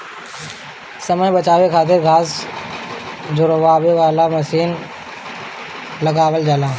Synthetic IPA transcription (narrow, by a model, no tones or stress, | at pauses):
səməj̃bət͡ʃaːʋekʰaːt̪̬ɪɾɡʱaːs | d͡ʒʊɾəʋaːʋeʋaːlaməsiːn | ləɡaːʋəld͡ʒaːlãː